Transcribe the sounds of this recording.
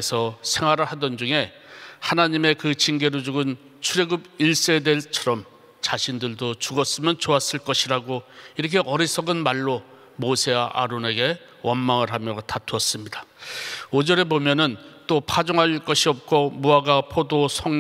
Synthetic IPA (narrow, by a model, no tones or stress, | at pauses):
sʰʌsʰe̞ŋwaɾɯɭhadʌnd͡ʑuŋe̞ | hanaɲime̞kɯt͡ɕinɡe̞ɾod͡ʑuɡɯn | t͡ɕʰuɾe̞ɡɯbiɭs͈e̞dwe̞ɭt͡ɕʰʌɾʌm | t͡ɕaɕʰindɯɭdot͡ɕuɡʌs͈ɯmjʌnt͡ɕoas͈ɯɭk͈ʌɕʰiɾaɡoiɾʌk̬ʰe̞ʔʌɾisʰʌɡɯnmaɭːo | mosʰe̞aʔa̰ɾone̞ɡe̞ | wʌnmaŋɯɭɦamjʌtatʰuʌs͈ɯmɲidḁ | od͡ʑʌɾe̞bomjʌnɯnt͈opʰad͡ʑoŋɦak͈ʌɕʰiʌp̚k͈ʰomuaɡapʰodosʰʌŋ